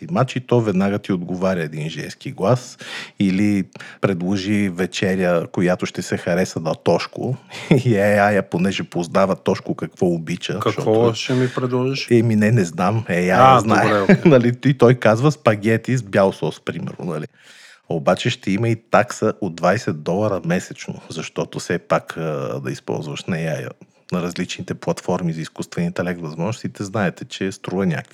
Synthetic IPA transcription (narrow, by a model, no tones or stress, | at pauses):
imat͡ʃit̪ɔvɛd̪naɡət̪iod̪ɡovaɾʲəɛd̪inʒɛ̰nskiɡlˠasilipɾɛd̪lˠoʒivɛt͡ʃɛɾʲjəkojat̪ʊʃt̪ɛsɛxɐɾɛsənɐt̪ɔʃkʊ̰iɛajəponɛʒɛpoznavɐt̪ɔʃkʊkɐkvɔobit͡ʃəkɐʃt̪ɔvɔʃɛmipɾɛd̪lˠɔʒiʃɛminɛnɛznamɛjanaɛɛnɐliit̪ɔjkazvəspɐɡʲɛt̪izbʲjalˠsɔspɾimɛ̰ɾnʊ̰nɐli | obat͡ʃɛʃt̪ɛiməit̪aksəʔod̪̚vajsɛd̪̚d̪ɔlˠɐɾɐmɛsɛt͡ʃno̰zɐʃt̪ɔt̪ʊsɛpakəd̪ɐ̰ispɔ̰lˠzvɐʃnɐjajə̰ | nɐɾɐzlit͡ʃnit̪ɛplˠɐt̪fɔɾmizɐiskust̪vɛnit̪ɛlɛkt̪vɐzmɔʒnosit̪ɛznaɛt̪ɛt͡ʃɛst̪ɾuvɐnʲa̰kvi